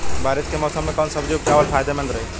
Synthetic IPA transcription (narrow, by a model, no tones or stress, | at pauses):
bʱaːɾit̪kemɔːsəmːẽkaːnsəbd͡ʒokaːʋəlpʰaːjd̪emẽnɾɐɦe